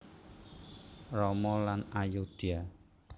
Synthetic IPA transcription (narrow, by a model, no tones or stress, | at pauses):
rɔmɔlanajod̪̥ia